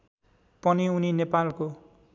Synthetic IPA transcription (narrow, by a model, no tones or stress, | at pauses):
pʌniuninepalko